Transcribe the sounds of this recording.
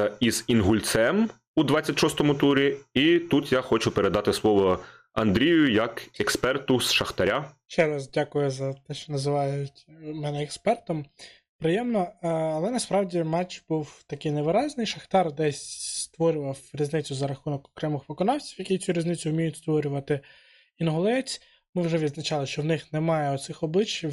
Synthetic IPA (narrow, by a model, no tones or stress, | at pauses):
ɐiz̥inɦʊlʲt̪sɛm | ud̪ʋat͡sʲːɐtʲʃɔst̪ɔmʊt̪uɾʲiit̪ut̪jaxɔt͡ʃʊpeɾe̞d̪ɑt̪ɪslˠɔʋɔ | ɐ̰nd̪ɾʲijʊjɐkɛkspɛrt̪ʊsʃɐxt̪ɐɾʲaʃt͡ʃɛɾɐzdʲakʊjʊzɐt̪ɛʃt͡ʃɔnɐzɪʋɑjʊtʲmɛnɛɛkspɛrt̪ɔm | pɾɪjɛmnɔɐlˠɛnɐspɾɑwdʲimɛt͡ʃbuwt̪ɐkɪjneʋɪɾɑzʲnɪjʃɐxt̪ɑrd̪ɛsʲst̪ʋɔɾʲʊʋɐwɾʲiznɪt͡sʲʊzɐɾɐxunɔkɔ̥kɾɛmɪxpɔkɔnɑwt͡sʲi̥wjɐkit͡sʲuɾʲiznɪt͡sʲʊʊmʲijʊtʲst̪ʋɔɾʲʊʋɐt̪ɪ | inɦʊlˠɛt͡sʲ | mɪwʒɛʋʲid̪znɐt͡ʃɑlˠɪʃt͡ʃɔwnɪxnemɑjɛɔt̪sɪxɔblˠɪt͡ʃːiw